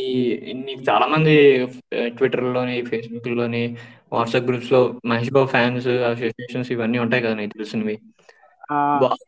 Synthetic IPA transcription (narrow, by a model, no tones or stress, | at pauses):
iniːkut͡ʃaːlaːmɐnd̪i | ʈʋiʈːɐɾlo̞ːneːpʰeːs̬buklo̞ːneː | ʋaːʈsaːp̚ɡɾuːpslo̞ːmɐɦeʃ̬baːʋpʰaːnsɐs̬oːsieːʃɐnsiʋɐnːiːuɳʈaːjikɐd̪aːniːkt̪elusunʋi | baː